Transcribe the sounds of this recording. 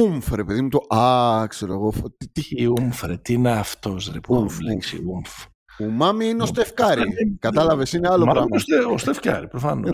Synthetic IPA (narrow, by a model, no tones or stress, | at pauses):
umfɾe̞peðimut̪oʔɐkse̞ɾo̞eɣoft̪it̪iiumfɾet̪ineɐft̪ozɾḛpumfliksḭumf | umɐmiineost̪efkɐɾikɐt̪ɐlɐve̞sineɐlopɾɐmɐoseost̪efkɐ̰ɾipɾofɐno